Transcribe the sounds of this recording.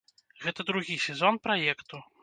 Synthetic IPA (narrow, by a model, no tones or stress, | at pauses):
ɣɛt̪ɐd̪ɾuɣʲisʲɛzɔnpɾajɛkt̪u